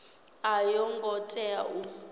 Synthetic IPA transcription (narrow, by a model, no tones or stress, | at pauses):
ajɔŋɡɔtʼɛau